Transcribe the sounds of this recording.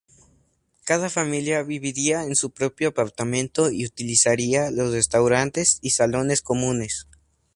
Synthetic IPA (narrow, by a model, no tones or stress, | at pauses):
kaðafamiljaβiβiɾiaensupɾo̞pjoapaɾt̪amẽ̞nt̪o̞iut̪ilisaɾialo̞sre̞st̪awɾant̪e̞sisalo̞ne̞sko̞mũne̞s